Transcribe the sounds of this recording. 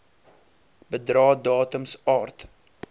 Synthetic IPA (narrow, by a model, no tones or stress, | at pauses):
bədɾɑːdɑːtəmsɑːrt